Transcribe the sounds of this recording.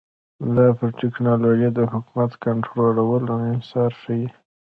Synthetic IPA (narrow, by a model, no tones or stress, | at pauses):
lapəɾʈɪknɑloʒid̪əhʊkumat̪kaɳʈɾolawəlaɪsɑɾʃawi